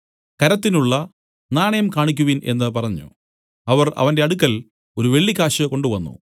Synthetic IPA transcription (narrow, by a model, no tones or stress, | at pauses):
kɐɾɐt̪ːinuɭːɐ | naːɳɐjɐmkaːɳik̬ʲːuʋinʔe̞̰nːɨpɐrɐɲːṵ | ɐʋɐrɐ̰ʋɐndeɐɽukːɐl | o̞ɾuʋe̞ɭːikːaːɕɐko̞ɳɖuʋɐnːṵ